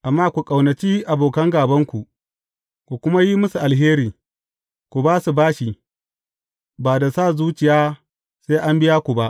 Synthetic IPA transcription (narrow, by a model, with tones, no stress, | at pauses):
ʔa˨mːaː˦kʷu˨kʼa˨wnɐ˨t͡ʃiː˦ʔa˨boː˨kɐ˦ŋɡaː˨bɐ˦ŋkʷu˨ʔ | kʷu˨kʷʊ˦ma˦ji˦mʊ˦su˨ʔa˨lɦeː˦ɾiː˨ | kʷu˨baː˦su˨baː˦ʃi˨ | baː˨da˨saː˦˨zuː˦t͡ʃɪ˨jaː˦ | seː˦ʔa˦mbɪ˦jaː˦kʷu˨ba˦ʔ